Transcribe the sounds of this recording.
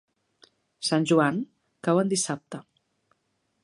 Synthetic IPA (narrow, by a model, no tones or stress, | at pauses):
sanʲʒuaŋ | kawənd̪isap̚t̪ə